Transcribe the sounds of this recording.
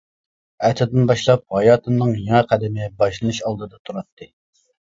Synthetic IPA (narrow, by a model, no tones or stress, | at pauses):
ɛt̪ʰɪd̪ɪnbɑʃlˠɑp̚hɑjɑːt̪ʰɨnnɨŋjeŋɛqʰæd̪ɪmɪbɑʃlˠɨnɨʃɑlˠd̪ɨd̪ɑt̪ʰuɾɑt̪ʰːɨ